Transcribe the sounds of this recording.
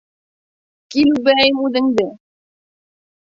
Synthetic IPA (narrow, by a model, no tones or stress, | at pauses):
kilubɘæjmʉðɘ̆ŋd̪ɘ